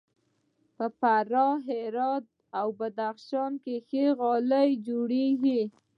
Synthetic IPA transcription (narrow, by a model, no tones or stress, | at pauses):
pəpaɾɑɦeɾɑt̪̚ | awbad̪axʃɑnkexeɣɑləjd͡ʒoɽeɡi